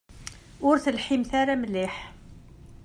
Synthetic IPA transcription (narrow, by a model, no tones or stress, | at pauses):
ʊɾθəlħimθæɾamliħ